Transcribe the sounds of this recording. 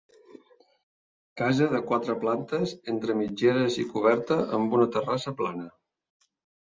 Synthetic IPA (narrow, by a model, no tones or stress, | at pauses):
kazəðəkwat̪ɾəplant̪əzent̪ɾəmid͡ʒeɾəzikuβ̞ɛɾt̪əʔəmbunət̪ərasəplanə